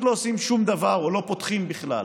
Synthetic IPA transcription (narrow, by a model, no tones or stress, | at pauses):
t̪lo̞osimʃumd̪avaʁolo̞po̞t̪χimbiχla̰l